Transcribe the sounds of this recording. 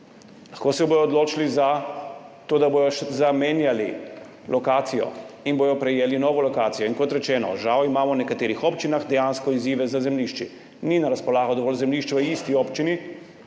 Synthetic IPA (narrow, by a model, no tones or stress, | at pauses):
laxkoːsɛbojɔːd̪loːt͡ʃiliza | t̪oːd̪abojɔʃzameːnjalḭ | lʔɔkaːt̪sijɔ̰inboːjɔpɾɛjeːlinɔːʋɔlɔkaːt̪sijɔinkɔt̪ɾɛt͡ʃɛːnɔ̰ʒawimaːmɔnɛkat̪eːɾixɔːpt͡ʃinaxd̪ɛjaːnskɔiziːʋɛzazɛmliʃt͡ʃi | ninaɾaspɔlaːɣɔd̪ɔʋɔːlzɛmliʃt͡ʃʋəiːst̪iɔːpt͡ʃini